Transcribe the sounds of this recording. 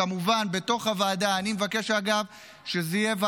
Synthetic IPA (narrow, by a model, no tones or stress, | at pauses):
amuvanbe̞to̞χhavaːdaːnimevake̞ʃaɡav | ʃezeijeva